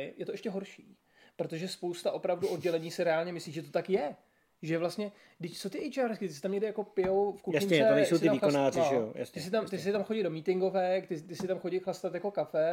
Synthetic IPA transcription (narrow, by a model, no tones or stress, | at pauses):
ɪjɛt̪oɛʃcɛɦo̞ɾʃiː | pɾo̞t̪o̞ʒɛspo̞wst̪aʔo̞pɾavduʔo̞d̚ɟɛlɛɲiːsɪɾɛaːlɲɛmɪsliːʒʒɛt̪̬ot̪akjɛ | ʒɛvlast̪ɲɛ | ɡdɪct͡sot̪ɪʔɛjt͡ʃaːɾskɪt̪ɪsɪ̥t̪amɲɛɡdɪjako̞pɪowfkujɪnɛɛonɛjssowsɪɪt̪amiːonaːrɪʒɛoja̰st̪ɪs̬ɪt̪amt̪ɪs̬ɪt̪amxoɟɪdo̞miːt̪ɪŋɡo̞vɛkt̪ɪt̪ɪsɪt̪amxoɟɪxlast̪at̪jako̞kafɛ